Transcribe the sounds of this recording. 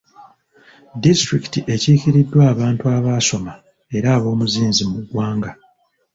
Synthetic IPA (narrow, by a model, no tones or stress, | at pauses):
distɾiki̥tiʔe̞ciciɾidːwaːβaːntuaβaːso̞ma | e̞ɾaːβo̞ːmuziːnzimuɡwaːŋɡa